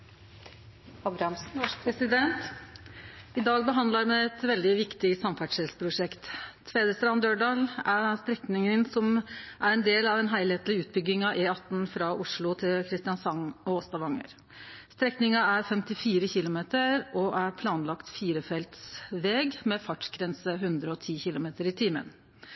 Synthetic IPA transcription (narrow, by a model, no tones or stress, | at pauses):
ɑbɾmʰɾɛsɪd̪ɛnt̪ | ɪd̪ɑːɡ̚bəɦɑnd̪ləɾmɛɛt̪ʋɛld̪ɪʋɪkt̪ɪsɑmfæʈʂɛlspʰɾʊʂɛkt̪ʰ | ʋeːd̪əst̪ɾɑnd̪øːɖɑːlæst̪ɾɛknɪŋənsɔmʔæɾɛnd̪eːlɑʋɛnɦæɪleːt̪lɪʉːt̪̚bʏɡɪŋɑʋʔeːɑt̪ːn̩fɾɑʔʊʂɭʊt̪ʰɪlkʰɾɪst̪ɪɑnsɑŋɔɔst̪ɑʋɑŋə̰ɾ | st̪ɾɛknɪŋɑæɾfɛmt̪ɪfiːɾəçɪlʊmeːt̪əɾɔʔæɾpʰlɑːnlɑkt̪fiːɾəfɛlt̪sʋeːɡmɛfɑʈɡɾɛnsəɦʉnd̪ɾəɔt̪ʰiːçɪlʊmeːt̪əɾɪt̪ʰiːmə̰n